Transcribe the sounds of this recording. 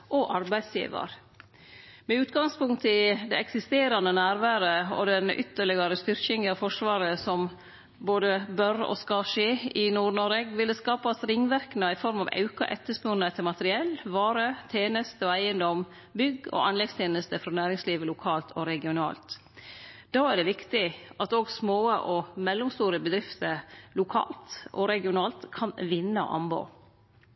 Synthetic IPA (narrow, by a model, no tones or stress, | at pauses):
ʔɔʔɑɾbæɪd̪sjḭːʋɑ̰ɾ | mɛʉːt̪ɡɑŋspʊŋt̪ʰɪd̪ɛɛksɪst̪eːɾɑnd̪ənæːɾʋæːɾəɔ̰d̪ɛnʔʏ̰t̪ːəɭɪɡɑɾəst̪ʏɾkɪŋəɑʋfɔʂʋɑːɾəsɔm | boːd̪əbœɾɔ̰skɑʂeːɪnuːɾɳɔɾɛɡʋɪld̪əskɑːpɑsɾɪŋːʋæɾknəɪfɔɾmɑʋɑ̰ʉkɑ̰ʔɛt̪ːəspʉnəɛt̪ʰːɪlmɑt̪əɾɪɛlːʋɑːɾət̪ʰeːnəst̪əɔæɪənd̪ɔm | bʏɡɔ̰ʔɑnlɛɡst̪ʰeːnəst̪əfɾɔnæːɾɪŋsliːʋəlʊkʰɑːlt̪ʰɔɾɛɡɪʊnɑ̰ːlt̪ | d̪̥ɑːæɖɛʋɪkt̪ɪʔɑt̪oːɡsmoːəʔɔmɛlːʊmst̪uːɾəbəd̪ɾɪft̪əɾlʊkʰɑ̰ːlt̪ʔɔɾɛɡɪʊnɑːlt̪kʰɑnʋɪnːə̰ʔɑ̰mbo̰